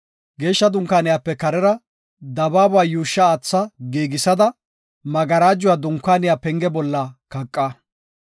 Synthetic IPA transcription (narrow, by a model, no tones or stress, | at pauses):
ɡe̞ːʃːɐd̪ʊŋkːaːnɪjaːpːɛkɐɾɛɾɐ | d̪ɐbaːbaːjuːʃːɐːt͡sːɐɡeːɡɪsɐd̪ɐ | mɐɡɐɾaːd͡ʒːʊwaːd̪ʊŋkːaːnɪjaːpɛŋɡɛbɔlːɐkɐkʼːɐ